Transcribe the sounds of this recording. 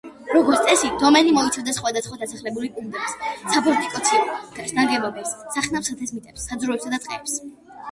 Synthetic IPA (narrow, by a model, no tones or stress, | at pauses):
ɾɔɡɔɾt̪sʼɛsid̪ɔmɛnimɔit̪sʰavd̪asχwad̪asχwad̪asaχlɛbulipʼund̪ɛbissabɔɾt̪ʼikʼɔt̪sʰiɔkʰɛɾsd̪aŋɡɛbɔbɛsːaχnapsat̪ʰɛsmit̪ʼɛpsːad̪zɾuɛpsad̪at̪sʼqʼɛ̰ːps